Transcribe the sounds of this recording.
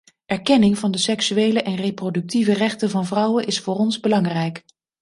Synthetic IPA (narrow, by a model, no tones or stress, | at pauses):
ʔɛɹkɛnɪŋvɑndəsɛksyejləʔɛnrejprodɵk̚tivərɛχtənvɑnvrʌwənʔɪsfʊːrɔnzbəlɑŋrɛjk